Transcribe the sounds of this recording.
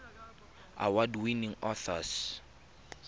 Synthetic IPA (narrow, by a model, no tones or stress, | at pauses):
a̰wadwiniŋɔθɔs